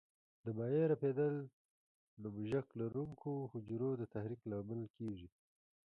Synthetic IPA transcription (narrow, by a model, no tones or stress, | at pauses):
d̪əbɑjeɾaped̪əl | numʒaklaɾuŋkʰohʊd͡ʒɾod̪ət̪ahɾiklɑmɪlkʰeʒi